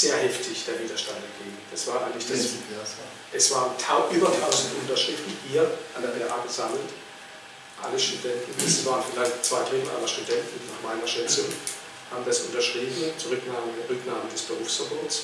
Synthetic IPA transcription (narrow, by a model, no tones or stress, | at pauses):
z̥eːɐhɛftʰɪçd̥eːɐviːdɐʃtantɛɡ̥eːɡŋ̩d̥asv̥aːʔaɪŋlɪçd̥as | ʔɛsv̥aːʁəntʰaʊʔyːbɐtʰaʊzn̩tʔʊntɐʃiːtviːʔiːɐʔandeːɐbeʁʔa̰ːɡəzaml̩t | ʔa̰ləʃtudɛntn̩ɛsvaːʁənfɪlaɪçtt͡sv̥aɪdʁɪml̩ʔa̰ːlɐʃtudɛntn̩naːχmaɪnɐʃɛt͡sʊŋ | haːbm̩ːdasʊntɐʃʁ̥iːbm̩t͡suʁʏknaːmədʁʏknaːmədɛsb̥əʁuːfsfɐboːɐts